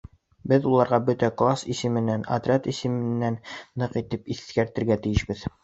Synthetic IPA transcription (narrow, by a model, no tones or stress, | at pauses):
bɘðulˠɑɾʁɑbɵt̪æklˠasisɘ̆mɘ̆nːænɐ̰d̪ɾʲat̪isɘ̆mɘ̆nːænːɤqit̪ɘpiθkæɾt̪ɘ̆ɾɡæt̪ijɘ̆ʃbɘð